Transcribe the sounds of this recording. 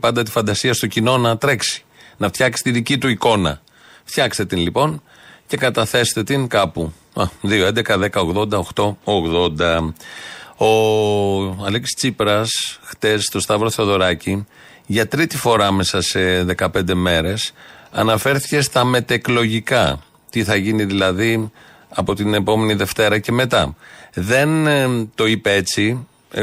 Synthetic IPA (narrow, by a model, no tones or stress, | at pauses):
pɐnd̪ɐt̪i̥fɐnd̪ɐsiɐst̪ocino̞nɐt̪ɾe̞ksi̥nɐft̪çɐksi̥t̪iðicit̪uiko̞nɐ̰ | ft̪çɐkst̪e̞t̪inlipo̞n | ce̞kɐt̪ɐθe̞st̪et̪iŋkɐpu | ɐðioend̪ekɐðe̞kɐo̞ɣðo̞nd̪ɐoxt̪o̞oɣðo̞nd̪ɐ | o̞ | ɐleksi̥st͡sipɾɐsxt̪e̞st̪o̞st̪ɐvɾo̞θeoðo̞ɾɐci | ʝɐt̪ɾit̪ifo̞ɾɐɐme̞sɐse̞ðe̞kɐpe̞nd̪e̞me̞ɾe̞sɐnɐfe̞ɾθi̥ce̞st̪ɐme̞t̪eklo̞ʝikɐ | t̪iθɐʝiniðilɐði | ɐpo̞t̪ine̞po̞me̞niðe̞ft̪e̞ɾɐce̞me̞t̪ɐðe̞nt̪o̞ipee̞t͡si